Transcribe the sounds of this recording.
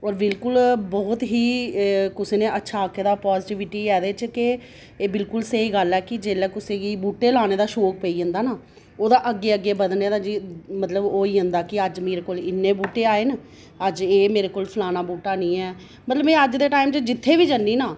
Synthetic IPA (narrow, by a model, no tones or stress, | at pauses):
ɔːɾbɪlkʊlbɔːt̪ɦiːkʊseːnẽːʔətːʃʰaːkʰːed̪aːpɔːzʈiːʋɪʈiːɛːd̪eːt͡ʃkɪ | eːbɪlkʊlseiːɡəlːɛːkɪd͡ʒeːlɛːkʊsẽːɡiːbuːʈːeːlaːñeːd̪aːʃoːk̚pəiːɦənd̪aːnaː | oːd̪aːʔəɡːeːəɡːeːbəd̪neːd̪aːd͡ʒimət̪ləboːiːɦə̃nd̪aːkɪəd͡ʒmeːɾeːkoːlɪnːeːbuːʈːeːaːeːn | əd͡ʒeːmeːɾeːkoːlpʰəlaːnaːbuːʈːaːnĩːɛː | mət̪ləbɛ̃ːəd͡ʒd̪eːʈaːɪmt͡ʃd͡ʒɪt̪ʰːeːʋiːd͡ʒənːiːnaː